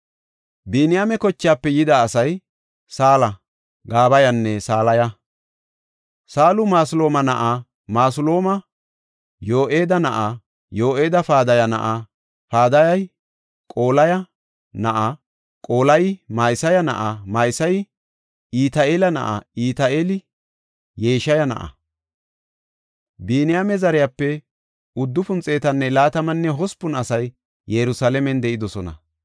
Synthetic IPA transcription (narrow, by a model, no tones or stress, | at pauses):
binɪjamɛkɔt͡ʃːɪjaːpːɛjɪd̪aːsɐj | saːlɐ | ɡaːbɐjɐnːɛsaːlɐjɐ | saːlʊmaːsʊlo̞ːmɐnɐʔa | maːs̬ʊlo̞ːmɐ | jo̞ːʔeːd̪ɐnɐʔa | jo̞ːʔeːd̪ɐfaːd̪ɐjɐnɐ̰ʔa | faːd̪ɐjɐj | kʼoːlɐjɐ | nɐʔɐ | kʼo̞ːlɐjmajsɐjɐnɐ̰ʔamɐjsɐj | iːt̪aeːlɐnɐ̰ʔa̰iːt̪aʔeːlɪ | jeːʃɐjɐnɐ̰ʔɐ̰ | biːnɪjamɛzɐɾɪjapːɛ | ʊd̪ːʊfʊnt͡sʼe̞ːt̪ɐnːɛlaːt̪ɐmɐnːɛɦɔspʊnɐsɐj | jɛɾʊsalɛmɛnd̪ɛʔɪd̪ɔsɔnɐ̰